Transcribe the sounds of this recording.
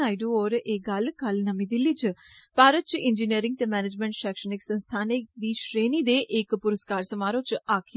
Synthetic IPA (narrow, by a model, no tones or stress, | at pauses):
aːɪɖuoːɾeːɡɐlkəlnəmĩːd̪ɪlːiːt͡ʃpaːɾət̪̚t͡ʃɪnd͡ʒiːniəɾɪ̃ŋɡ̚t̪eːmɛːned͡ʒmɛ̃ːɳʈʃɛːkʃənɪksənst̪ʰaːned̪iːʃɾeːniːd̪eːʔɪkpʊɾəskaːɾsəmaːɾõːt͡ʃaːkʰe